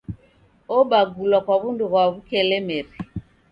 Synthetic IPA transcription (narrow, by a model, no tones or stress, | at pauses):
ɔɓaɡulwakwaβunduβwaβukɛlɛmɛri